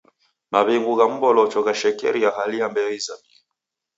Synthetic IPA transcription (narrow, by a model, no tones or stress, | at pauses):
maβiŋɡuɣam̩bɔlɔt͡ʃɔɣaʃɛkɛ̰ɾijahaliambɛizami